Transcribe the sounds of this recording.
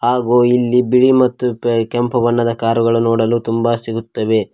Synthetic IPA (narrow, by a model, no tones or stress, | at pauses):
ɦaːɡoːilːibiɭimɐt̪ːukempɐbɐnːɐd̪ɐkaːɾuɡɐɭunoːɽɐluːt̪umbasiɡut̪ːɐʋe̞